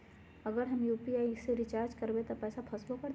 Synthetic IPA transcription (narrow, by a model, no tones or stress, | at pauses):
ɐɡəɾɦɐmjuːpiaːiseɾɪt͡ʃaːɾd͡ʒkɐɾbet̪ɐpɛːsapʰɐsbokɐɾ